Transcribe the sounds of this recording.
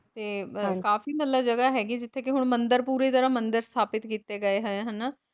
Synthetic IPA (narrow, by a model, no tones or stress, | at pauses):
t̪eːkaːfiːmət̪ləbd͡ʒəɡaːɦɛːɡiːd͡ʒɪt̪ʰːeːkɪɦʊɳ̃mə̃nd̪əɾpuːɾiːt̪əɾãːmənd̪əɾst̪ʰaːpɪt̪kiːt̪eːɡəeːɦəẽɦənaː